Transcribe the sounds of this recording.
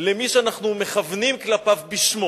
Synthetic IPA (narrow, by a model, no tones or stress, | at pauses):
lemiʃeanaχnume̞χavnimklapavbiʃmo